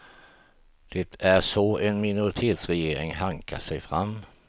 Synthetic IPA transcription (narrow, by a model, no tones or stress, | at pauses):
d̪̥ɛt̪ʰæɾʂɔɛnmɪnʊɾɪt̪ʰeːt̪sɾɛjeːɾɪŋɦaŋkʰa̰ʂɛjfɾamː